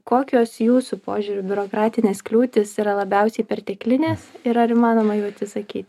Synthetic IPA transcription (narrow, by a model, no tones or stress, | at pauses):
koːkʲoːsjuːsʊpoːʒʲuːɾʲʊbʲʊɾoːkɾɑːt̪ʲɪnʲeːsklʲuːt̪ʲɪsiːɾɐlˠɐbʲɛʊsʲɛɪpʲɛrt̪ʲɛːklʲɪnʲeːsɪɾɐɾɪmɑːnoːmɐjuːɐt̪sʲɪsɐkʲiːt̪ʲ